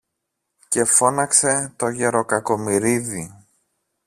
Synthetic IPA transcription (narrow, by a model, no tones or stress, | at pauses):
ce̞fo̞nɐkse̞t̪o̞ʝe̞ɾo̞kɐko̞miɾiði